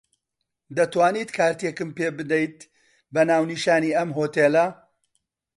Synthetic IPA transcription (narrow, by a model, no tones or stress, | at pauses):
d̪ɐt̪waːniːt̪kʰaːɾt̪ekɨmpeːbɨd̪ɐjt̪̚ | bɐnaːwniʃaːniːʔɐmɦoːt̪eːlɐ